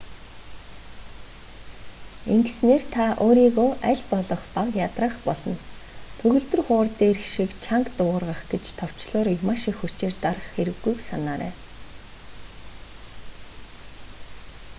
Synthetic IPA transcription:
iŋɡsneːrt̪ʰaʔoːɾiːɣoːʔæɮpɔɮɞ̆χpaqjat̪rə̆χpɔɮɞ̆n | t̪ʰɵɣɵ̆ɮt̪ɵ̆rχʊːrt̪eːrxʃikt͡ɕʰaŋkt̪ʊʁ̆rʁə̆χɡet͡ɕt̪ʰɔw̥t͡ɕɮʊːrimaːʃixut͡ɕeːrt̪arχxeɾɘ̆ɣːujksanaːɾæ̰ː

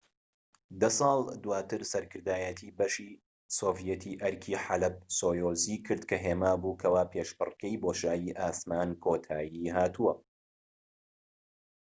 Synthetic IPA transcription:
d̪ɐsˤɑːlˠd̪uwaːt̪ɨɾsɐɾkɨɾd̪aːjɛt̪ʰiːbɐʃiː | soːvijɛt̪ʰiːʔɐɾkʰiːħalɐb̚soːjoːziːkʰɨɾd̪kʰɐɦeːmaːbuːkʰɐwaːpʰeːʃbɨ̰rkɛjboːʃaːjiːʔaːsmaːnkʰoːt̪ʰaːjiːɦaːt̪ʰuwɐ

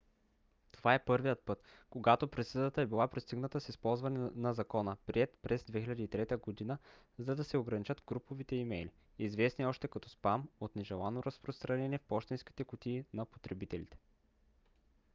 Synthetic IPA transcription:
t̪ovaɛpɤɾvijət̪̚pɤt̪ | koɡat̪opɾɛt̪səd̪ət̪əɛbilˠapɾist̪iɡnət̪əsispɔlˠzvɐnɛnɐzɐkɔnəpɾiɛt̪pɾɛzd̪vɛxilʲɐd̪iːt̪ɾɛt̪əɡod̪inə | zɐd̪ɐsɛoɡɾɐnit͡ʃɤt̪ɡɾupovit̪ɛimɛli | izvɛsniɔʃt̪ɛkɐt̪ɔspamot̪nɛʒɛlˠanoɾɐspɾost̪ɾɐnɛniɛfpɔʃt̪ɛnsk̟i̥t̪ɛkʊt̪iːnɐpo̥t̪ɾɛbit̪ɛlḭt̪ɛ̥

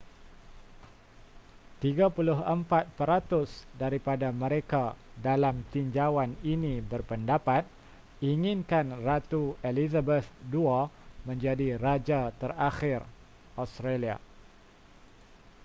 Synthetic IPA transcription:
t̪iɡapulʊɦəmpat̪̚pəɾat̪ʊsdaɾipadamə̃ɾekadalamt̪iɲd͡ʒawaninĩbərpəndapat̪̚ | iŋɪ̃nkanrat̪uelizabəθduamə̃ɲd͡ʒadiɾad͡ʒat̪əraxɪr | ʔast̪ɾalia̰

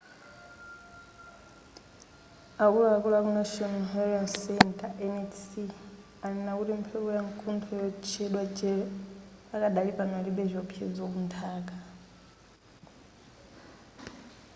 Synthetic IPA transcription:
akulaːkulak̬unaʃɔnɦaɾɔnsɛntʼaʔɛnɛtsi | anɛnakutim̩pʰɛβɔjaŋkʰuntʰɔjɔt͡ʃʰɛɗwad͡ʒɛ | akadalipanɛliɓɛzɔpʰjɛ̰d͡zok̬untʰaːk̬ʼa

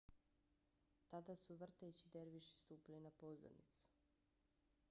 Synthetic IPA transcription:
t̪ad̪asuʋr̩t̪et͡ɕid̪eɾʋiʃi̥st̪uːpilinapozo̰ɾnḭt̪su̥

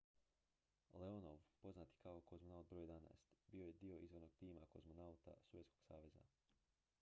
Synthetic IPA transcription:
leonoʋpo̞znat̪i̥kaokozmonaut̪̚bɾojed̪ana̰est̪biːo̞je̞d̪io̞izʋo̞ɾno̞ɡ̥̚t̪iːmakozmonaut̪a̰suʋjet̪sko̞̥ɡsaːʋe̞za̰

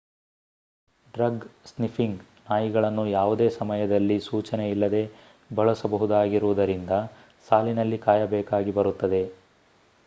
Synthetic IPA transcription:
ɖɾɐɡsnifiŋɡnaːjiɡɐɭɐnːujaːʋud̪eːsɐmɐjɐd̪ɐlːisuːt͡ʃɐne̞ilːɐd̪e̞ | bɐɭɐsɐbɐɦud̪aːɡiɾuʋud̪ɐɾind̪ɐ | saːlinɐlːikaːjɐbɛːkaːɡibɐɾut̪ːɐd̪e̞

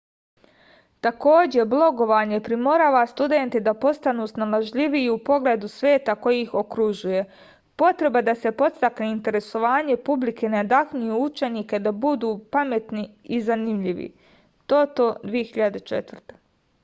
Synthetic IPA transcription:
t̪ako̞ːd͡ʑe̞blˠo̞ɡo̞ʋaːɲe̞pɾimo̞ɾaːʋast̪ud̪e̞nt̪id̪apo̞st̪anusnalaʒʎiʋiːupo̞ɡleːd̪usʋeːt̪ako̞jixo̞kɾuʒuje̞ | po̞t̪ɾe̞bad̪ase̞po̞t̪st̪akneint̪e̞ɾe̞so̞ʋaːɲe̞publikʰe̞neod̪axɲujuut͡ʃe̞niːke̞d̪abud̪uːpame̞t̪niizanimʎiʋḭ | t̪o̞t̪o̞d̪ʋije̞xiʎad̪et͡ʃe̞̰t̪ʋr̩t̪e̥

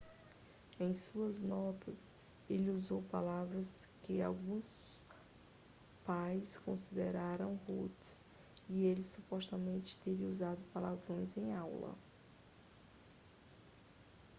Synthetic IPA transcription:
ẽj̃suɐznɔt̪ʰɐs | elɪuzowpalavɾɐskɪa̰wɡũs | pajskõsid̪eɾaɾɐ̃w̃hut̪ɪ̥s | ielɪsupɔst̪ɐmẽnt͡ʃɪ̥t̪eɾĩuzad̪ʊpalavɾõj̃zẽj̃awlɐ̰

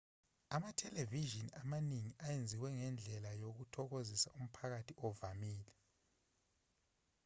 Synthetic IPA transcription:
amatʰɛleviʒiniamaniŋiʔajend͡zʱiwɛŋɛnd͡ɮʱɛlajoɣutʰɔɣozisaum̩pʰaɣatʰiʔɔvamiːlɛ

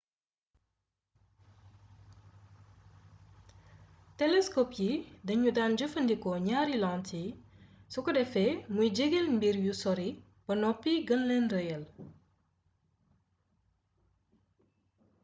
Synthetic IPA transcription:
tɛlɛskɔpjidɐɲudaːnd͡ʒəfəndikɔɲaːɾilɔŋtisɔkɔdɛfɛmujɟəɡelmbiɾjusɔɾi | b̥ɐnɔpːiɡənlɛnrəjəl

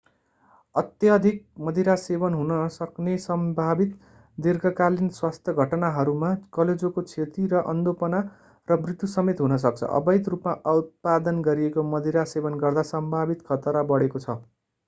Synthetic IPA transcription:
ʌt̪jʌd̪ʱik̚mʌd̪ʱiɾasebʌnɦunʌsʌknesʌmbʱabit̪ | d̪irɡʌkalinswast̪ʰjʌɡʱʌʈnaɦʌɾumakʌled͡zokot͡sʰet̪iɾʌʔʌ̰nd̪opʌna | rʌbrit̪jusʌmet̪ɦunʌs̬ʌk̚t͡sʰʌ̰ʔʌ̰bʌjd̪rupmaʔʌut̪̚pad̪ʌnɡʌɾiekomʌd̪ʱiɾasebʌnɡʌrd̪asʌmbʱabit̪kʰʌt̪ʌɾabʌɽekot͡sʰʌ

